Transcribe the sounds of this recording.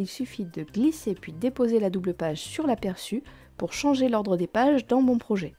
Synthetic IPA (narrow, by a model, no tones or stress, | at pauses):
ilsyfid̪əɡlisepɥid̪epozelad̪ubləpaʒsyʁlapɛʁsy | puʁʃɑ̃ʒelɔʁd̪ʁəd̪epaʒd̪ɑ̃mɔ̃pχɔʒɛ